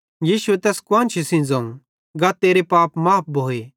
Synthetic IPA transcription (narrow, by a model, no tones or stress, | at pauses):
jiːʃuet̪ɛːskwãːnt͡ʃʰisĩnd͡zãũ | ɡat̪eːɾepaːpmaːp̚ʰbʱoːe